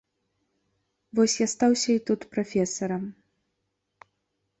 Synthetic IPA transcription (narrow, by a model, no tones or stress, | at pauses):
vɔsʲjast̪awsʲɐit̪ut̪pɾafʲɛsɐɾɐm